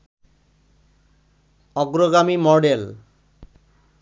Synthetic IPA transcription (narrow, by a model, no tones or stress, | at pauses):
ɔɡɾoɡamimɔɖel